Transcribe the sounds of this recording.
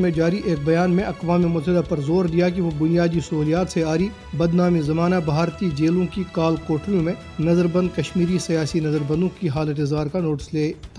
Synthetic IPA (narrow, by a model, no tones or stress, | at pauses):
mẽd͡ʒaːɾiʔeːk̚bɐjaːnmẽʔɐqʋaːmimʊt̪ɦɪd̪apɐɾzoːɾd̪ijak̬iʋobʊnijaːd̪isɐɦuːlijaːt̪seaːɾi | bɐd̪naːmizɐmaːnabʱaːɾt̪id͡ʒeːlõkikaːlkoːʈɾijõmẽ | nɐzəɾbɐ̃nd̪kɐʃmiːɾisijaːsinɐzəɾbɐ̃nd̪õkiɦaːlət̪ɪzaːɾkanoːʈɪ̥sleː